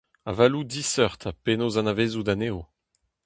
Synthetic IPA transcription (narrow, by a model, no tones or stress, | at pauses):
a̰valud̪isœʁt̪ʰapenozãnaveːzud̪aneːo